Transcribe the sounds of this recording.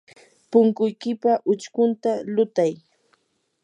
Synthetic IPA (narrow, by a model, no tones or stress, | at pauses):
pʊŋkʊjkɪpaʔʊt͡ʃkʊnt̪alʊt̪aj